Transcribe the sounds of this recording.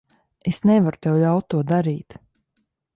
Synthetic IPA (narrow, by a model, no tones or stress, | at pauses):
esnɛvaɾut̪ɛwlʲawt̪̚ːuɔd̪aɾiːt̪